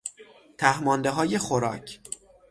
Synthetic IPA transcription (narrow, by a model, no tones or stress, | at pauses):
t̪ʰæhmɒːnd̪eɦɒːje̞xoɾɒ̰ːcʰ